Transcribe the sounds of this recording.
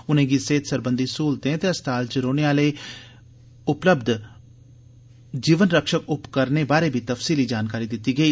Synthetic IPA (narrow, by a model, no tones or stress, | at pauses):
ʊnẽːɡiːseːt̪səɾbənd̪iːsuːlt̪ẽːt̪eːəst̪aːlt͡ʃəɾoːneaːləiː | ʊpləbd̪ | d͡ʒiːʋənɾəkʃəkʊpkəɾneːbaːɾeːbʱiːt̪əfsiːliːd͡ʒaːnkaːɾiːd̪ɪt̪ːiːɡəiː